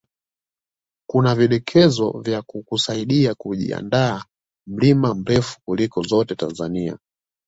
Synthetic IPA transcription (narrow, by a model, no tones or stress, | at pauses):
kunaviɗɛkʰɛzɔ̰vjakukusaiɗiakuʄḭa̰ndaː | m̩limam̩ɾɛfu̥kulikɔzɔtɛta̰nzania̰